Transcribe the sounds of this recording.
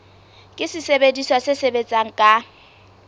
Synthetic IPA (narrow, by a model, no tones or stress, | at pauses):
kʼɪsɪsebediswasesebet͡sʼaŋ̩kʼa